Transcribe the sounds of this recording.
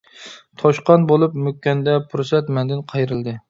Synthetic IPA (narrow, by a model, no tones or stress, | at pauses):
t̪ʰɑʃqɑnbolˠɨpmøkʲːɛnd̪ɛpʰʊɾsɛt̪mɛnd̪ɪnqʰɑjɾɨlˠd̪ɪ